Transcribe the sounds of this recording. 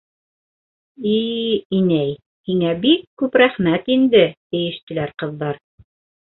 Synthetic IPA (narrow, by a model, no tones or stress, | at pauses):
iinæj | hiŋæbikːʉpɾæχmæt̪ind̪ɘt̪ɘ̆jɘ̆ʃt̪ɘ̆læɾqɤ̆ðːɑɾ